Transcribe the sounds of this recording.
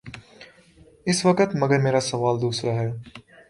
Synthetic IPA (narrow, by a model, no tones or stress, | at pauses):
ɪsʋɐkət̪mɐɡəɾmeːɾasɐʋaːld̪uːsɾaɦɛː